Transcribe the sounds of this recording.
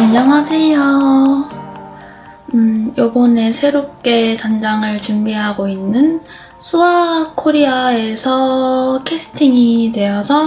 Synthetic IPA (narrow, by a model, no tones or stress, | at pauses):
kand͡ʑaŋɦasʰe̞jo | ɯjobʌne̞sʰe̞ɾop̚k͈e̞tand͡ʑaŋɯɭt͡ɕumbiɦaɡoinːɯn | sʰuakʰoɾiae̞sʰʌkʰesʰɯ̥tʰiŋitwe̞ʌsʰʌ